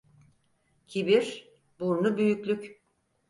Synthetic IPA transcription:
cʰibiɾ | buɾnubyjycʲlʲyc

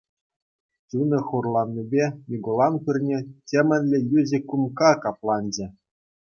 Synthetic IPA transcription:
t͡ɕunɤ̆χurlˠɑnʲːibʲenʲiɡolˠɑnpʲɯrʲnʲetʲemʲɘ̆nʲlʲɘ̆jyzʲɘ̆kumkɑkɑplˠɑnʲd͡ʑɘ̆

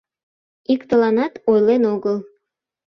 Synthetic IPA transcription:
ikt̪əlɑnɑt̪ojlenoɣəlˠ

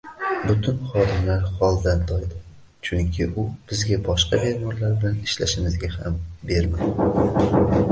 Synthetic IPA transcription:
bʊt̪ʰʊnχɒd̪ɪmlaɾhɒlˠd̪ant̪ʰɒjd̪ɪ | t͡ʃʰʊŋkʲʰɪʔʊb̥ɪzɡʲabɒʃqɑbeɾmɒɾlaɾbɪlanɪʃla̰ʃɪmɪzɡʲaha̰mbe̞ɾmad̪

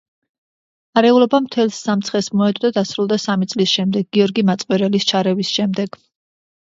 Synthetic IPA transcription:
aɾɛulɔbamt̪ʰɛlsːamt̪sʰχɛsmɔɛd̪ʼd̪ad̪asɾulˠd̪asamit̪sʼlisʃɛmd̪ɛɡːiɔɾɡimat̪sʼqʼwɛɾɛlist͡ʃʰaɾɛvisʃɛmd̪ɛɡ̥

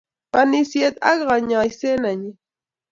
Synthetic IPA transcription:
panisjet̪ɑʎɢɑɲajsenaɲi

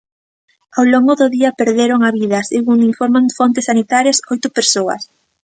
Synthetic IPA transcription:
awloŋɡʊðʊðiɐpeɾðeɾoŋaβiðɐseɣuŋiɱfoɾmaŋfont̪ɪsːanit̪aɾjɐsojt̪ʊpeɾsoɐ̰s

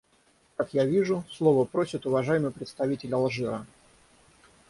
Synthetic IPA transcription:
kakjavʲiʐʊslˠovəpɾo̞sʲɪt̪ʊvɐʐajɪmɨjpɾʲɪt̪st̪ɐvʲitʲɪlʲɐlˠʐɨɾə

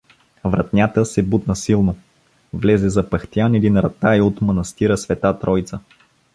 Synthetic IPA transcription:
vɾɐt̪nʲat̪əsɛbut̪nəsilˠno | vlɛzɛzɐpɐxt̪ijanɛd̪inɾɐt̪aiot̪mɐnɐst̪iɾəsvɛt̪at̪ɾɔjt̪sə

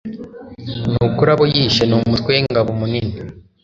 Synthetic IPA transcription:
nuːkuɾaβojiʃenuːmutweŋɡaβomunini

